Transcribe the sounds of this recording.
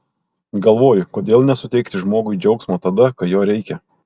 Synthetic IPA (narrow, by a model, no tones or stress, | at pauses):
ɡɐlˠʋoːjʊkoːd̪ʲeːlˠnʲɛsʊt̪ʲɛɪkt̪ʲɪʒmoːɡʊɪd͡ʒʲɛʊksmoːt̪ɐd̪ɐkɐt̪joːɾʲɛɪkʲɛ